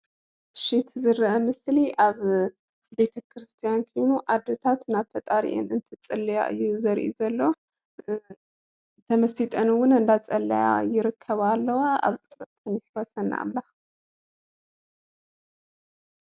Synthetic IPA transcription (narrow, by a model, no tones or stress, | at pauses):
ʃit̪zɨɾʔɐmɨsliʔaβ | be̞t̪ʰɐkʰɾɨst̪ʰijankʰojnuʔad̪ːot̪ʰat̪naβt̪ʰɐt̪ʼaɾḭʔḛnɨnt̪ʰɨt͡sʼɐlːɐja̰ʔɨ̰jːuzɐɾʔḭzɐlːo | t̪ʰɐmɐsit̪ʼɐnɨwʊnɨnd̪at͡sʼɐlːɐja̰jɪɾɨkʰːɐβalːɐwaa̰βt͡sʼɨbɐtt̪ʼɨnɪħwɔsɐnːa̰ʔa̰mlax